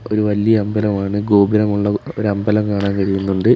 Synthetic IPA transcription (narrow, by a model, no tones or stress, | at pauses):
o̞ɾuʋɐlijɐɐmbɐlɐmaːɳɨɡo̞ːbiɾɐmuɭːɐo̞ɾɐmbɐlɐmkaːɳaːnkɐɻijunːuɳɖɨ